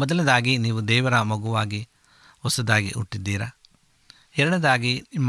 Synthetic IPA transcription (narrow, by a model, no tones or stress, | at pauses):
mɔd̪ɐled̪aːɡiniːʋud̪ɛːʋɐɾɐmɐɡuʋaːɡi | ʋɔsɐd̪aːɡiʔṵʈːid̪ːiːɾɐ | ɛɾɐɳed̪aːɡiimː